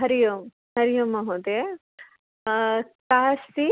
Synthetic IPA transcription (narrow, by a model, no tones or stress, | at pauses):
ɦɐɾijum | ɦɐɾijumɐɦud̪e | kaːsi